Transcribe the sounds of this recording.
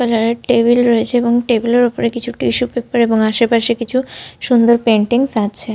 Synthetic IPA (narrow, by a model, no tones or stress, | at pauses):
kəlaɾeʈebilɾɔet͡ɕʰeebɔŋʈebileɾupoɾekit͡ɕʰuʈiʃupepɔɾebɔŋaʃepaʃikit͡ʃʰuʃund̪ɔɾpeɳʈiŋsãt̪t͡ʃʰe